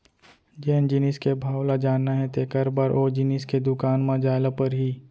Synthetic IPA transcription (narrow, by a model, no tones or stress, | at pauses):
d͡ʒɛːnd͡ʒɪnɪskebʱaːwlad͡ʒaːnːaɦɛ̃t̪ekɐɾbaːɾʔoːd͡ʒɪnɪsked̪ʊkaːnmãd͡ʒaːlapəɾɦiː